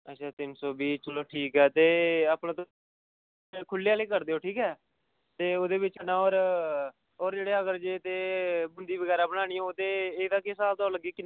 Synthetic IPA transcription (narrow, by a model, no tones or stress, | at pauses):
ətːʃʰaːt̪ɪnsoːbiːt͡ʃəloːʈʰiːkɦɛːt̪eːaːpnãːt̪o | kʰʊlːejaːliːkəɾd̪eːoːʈʰiːkɦɛː | t̪eːoːd̪eːbɪt͡ʃənãːoːɾ | oːɾd͡ʒeːɽeːəɡəɾd͡ʒeːt̪eːbʊnd̪iːbəɡɛːɾaːbəɽ̃aːɽ̃iːõoːt̪eːeːd̪aːkesaːlt̪aːɾləɡeːkɪn